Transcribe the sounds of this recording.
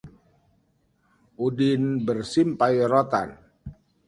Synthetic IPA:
ʔudinbərsimpajɾot̪a̰n

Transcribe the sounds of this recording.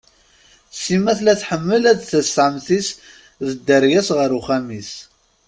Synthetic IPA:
simæθlæθħəmːəlæðθəsʕəmθis | ðəd̪ːəɾjæsʁəɾuχæmis

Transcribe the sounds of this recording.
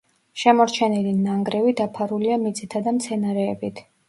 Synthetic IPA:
ʃɛmɔɾt͡ʃʰɛnɛlinaŋɡɾɛvid̪apʰaɾuliamit̪sʼit̪ʰad̪amt̪sʰɛnaɾɛːbit̪ʰ

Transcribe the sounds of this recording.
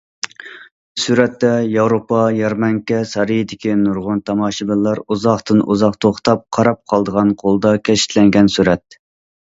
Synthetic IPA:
suɾɛt̪ːɛjɑwɾopɑjɑɾmɑŋkʲɛsɑɾijid̪ɪkʲinuɾʁʊnt̪ʰɑmɑːʃibɪlːɑɾuzɑχt̪ɨnʔṵzɑqt̪ʰoχt̪ɑp̚qʰɑɾɑp̚qʰɑlˠd̪əʁɑnqʰolˠəd̪ɑkʲʰɛʃɪ̥t̪lɛŋɡʲɛnsuɾɛt̪̚

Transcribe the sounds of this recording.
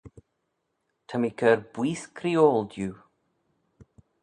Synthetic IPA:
tʰəmikʰəɾb̥wiːskʰɾioːldjuː

